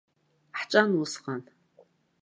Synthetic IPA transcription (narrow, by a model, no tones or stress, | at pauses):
ħt͡ʃʷʼanusqʼan